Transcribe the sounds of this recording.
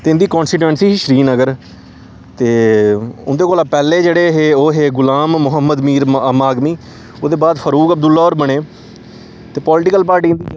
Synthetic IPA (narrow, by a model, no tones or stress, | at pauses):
t̪eːɪ̃nd̪iːkɔ̃ːnsɪʈʋə̃ɳʈsiːʃəɾiːnəɡəɾ | t̪eːʊ̰nd̪eːkoːlaːpɛːleːd͡ʒeːɽeːɦeːoːɦeːɡʊlaːmːʊɦəmːəd̪miːɾəmaːɡmiː | oːd̪eːbaːd̪fʰəɾuːkəb̚d̪ʊlːaːoːɾbəɳ̃eː | t̪eːpɔːlɪʈɪkəlpaːɾʈiːnd̪iː